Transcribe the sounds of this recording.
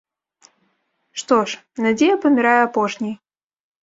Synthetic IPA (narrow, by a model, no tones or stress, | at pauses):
ʂt̪ɔʂ | nad͡zʲejɐpɐmʲiɾajɛapɔʂnʲij